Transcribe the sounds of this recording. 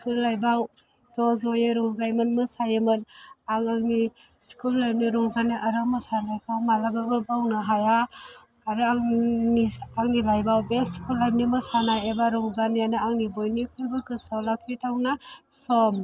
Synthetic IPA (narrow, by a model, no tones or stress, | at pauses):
skʰulːajbaw | tɔzɔjeɾɔŋzajmɯnmɯsajmɯnaŋaŋniskʰulːajb̚niɾɔŋzaniʔaɾamɔsanajkʰamalababɯbawnaɦaja | aɾɯaŋniaŋnibajbawbeskulːajb̚nimɯsanajebaɾɔŋzanijanɯaŋnibɔjnikʰɯlbɯkɯsawlakʰitʰawnasɔm